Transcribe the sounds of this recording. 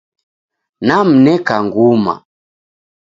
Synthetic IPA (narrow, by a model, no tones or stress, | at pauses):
nam̩nɛkaŋɡuma̰